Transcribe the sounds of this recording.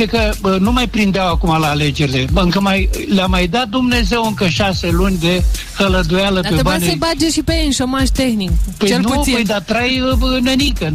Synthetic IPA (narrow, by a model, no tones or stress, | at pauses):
ekənumajpɾind̪eawakumalaːle̞d͡ʒe̞ɾile̞ɨŋkəmajlʲamajd̪at̪̚d̪umne̞ze̞wɨŋkəʃaselunʲd̪e | kələd̪ujaləaebaneəbad͡ʒeʃipeɨnʃomaʒt̪exnikpəjt͡ʃlnuəjd̪at̪ɾajnenikə